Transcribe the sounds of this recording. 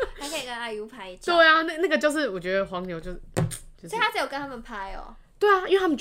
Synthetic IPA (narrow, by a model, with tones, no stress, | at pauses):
a˧˥kʰə˥˧i˨˩kə˦na˧˩ɪu˧˥pʰa˧˥ɪi˥˧˩t͡ɕʰt̪we˥˩ɪa˨na˥˩na˥˩ɡə˩t͡ɕjʂ̬ɻ̩˥˩wɔ˨˩t͡ɕɥɛ˧˦d̪ə˧xwɑ˧˦ŋnjo˧˦ʊt͡ɕjo˥ʊ˥˩t͡ɕjsa˥t͡sa˧˥jo˨˩kə˦nt̪ʰa˥mə˨npʰa˥ɪɔ̰˨˩ | t̪we˥˩ɪa˨˩i˥we˥˩t̪ʰa˥mə˨˩